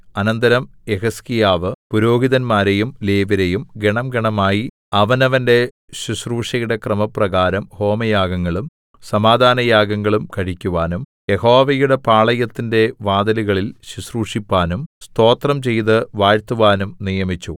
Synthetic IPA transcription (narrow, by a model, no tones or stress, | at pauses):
ɐnɐnd̪ɐɾɐm | e̞ɦɐskijaːʋɨpuɾo̞ːɡiðɐnmaːɾejumleːʋiɾejumɡeɳɐmɡeɳɐmaːji | ɐʋɐnɐʋɐnde̞ | ɕusruːʂɐjuɽe̞krɐmɐprɐɣaːɾɐmho̞ːmɐjaːɡɐŋːɐɭum | sɐmaːd̪ʱaːnɐjaːɡɐŋːɐɭumkɐɻikʲːuʋaːnum | je̞ho̞ːʋɐjuɽe̞paːɭɐjɐt̪ːinde̞ʋaːd̪ɐliɣɐɭilɕusruːʂipːaːnumst̪o̞ːt̪rɐmt͡ɕe̞jt̪ɨʋaːɻt̪ːuʋaːnumnijɐmit͡ɕːu